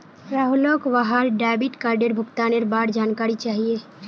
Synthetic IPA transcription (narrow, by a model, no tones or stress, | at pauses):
ɾaːɦulokʋaɦaɾɖaːbɪʈkaːɾɖeɾbʱʊkt̪aːneɾbaːɽd͡ʒaːnkaːɾit͡ʃaːɦie